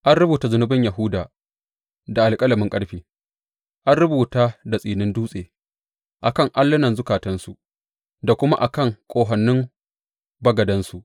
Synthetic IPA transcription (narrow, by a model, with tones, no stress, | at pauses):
ʔa˦nɽʊ˦buː˨ta˦zʊ˨nʊ˦bɪ˦ɲja˨ɦʊ˦daː˨ | da˨ʔa˨lkʼɐ˦lɐ˨mɪ˦ŋkʼɐ˦ɽɸiː˨ | ʔa˦nɾʊ˦buː˨taː˦da˨sʼiː˨nɪ˦nduː˦sʼeː˨ | ʔa˨kɐ˦ŋʔa˦lːɐ˦nɐ˨nzʊ˦kaː˨tɐ˦nsu˨ʔ | da˨kʷʊ˦ma˦ʔa̰˨kɐ˦ŋkʷʼoː˨ɦɐ˨nːɪ˦ŋ | bɐ˦ɡɐ˨dɐ˦nsu˨ʔ